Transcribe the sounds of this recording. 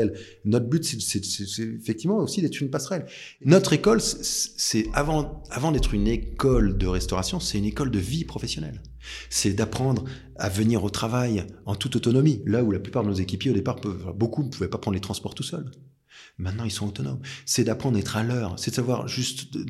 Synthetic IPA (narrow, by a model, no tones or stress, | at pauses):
ɛl | nɔt̪χbyt̪sɛsɛsɛsɛefɛk̚t̪ivmɑ̃osid̪ɛt̪χynpasχɛl | nɔt̪χekɔlsɛsɛavɑ̃avɑ̃d̪ɛt̪χynekɔld̪əʁɛst̪ɔʁasjɔ̃sɛynekɔld̪əvipχɔfɛsjɔnɛ̰l | sɛd̪apχɑ̃d̪ʁ | a̰vəniʁot̪χavajɑ̃t̪ut̪ot̪ɔnɔmilaulaplypaʁd̪ənozekʲipjeod̪epaʁpfɛ̰̃bokunəpuvɛpapχɑ̃d̪let̪χɑ̃spɔʁt̪usœl | mɛ̃t̪nɑ̃ilsɔ̃ot̪ɔnɔ̰msɛd̪apχɑ̃d̪ʁaɛt̪χalœːʁsɛd̪əsavwaʁʒyst̪